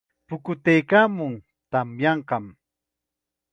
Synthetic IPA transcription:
pʊkʊt̪ejkaːmʊŋ | t̪amjɑɴqɑm

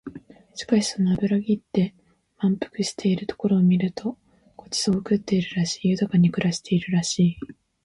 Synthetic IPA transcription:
ɕi̥kaɕi̥so̞no̞abɯ̟ɾaɡʲit̪ːe̞ | mãmpɯ̟̥kɯ̟ɕi̥t̪ʰe̞iɾɯ̟t̪o̞̥ko̞ɾo̞ːmʲiɾɯ̟t̪ʰo̞ | ko̞t͡ɕi̥soːɯ̟kɯ̟t̪ːe̞iɾɯ̟ɾaɕi̥ːjɯ̟t̪akaɲ̟ikɯ̟ɾaɕi̥t̪ʰe̞iɾɯ̟ɾaɕiː

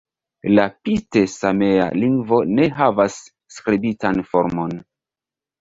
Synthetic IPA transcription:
lapitesame̞a̰liŋɡvo̞ne̞ɦavasː | kɾibitanfoɾmo̞n

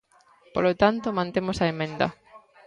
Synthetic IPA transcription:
polot̪ant̪omãnt̪emosɐemẽnd̪ɐ̰

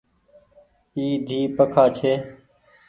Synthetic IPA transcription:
iːd̪ʱiːpəkʰaːt͡ʃʰeː

